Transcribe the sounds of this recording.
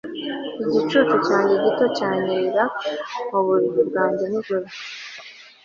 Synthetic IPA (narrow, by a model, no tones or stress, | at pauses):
iɟit͡ʃut͡ʃucaːɲɟeɟito̞caːɲiɾaoβuɾiβuɾɡaːɲɟemuʒuɾa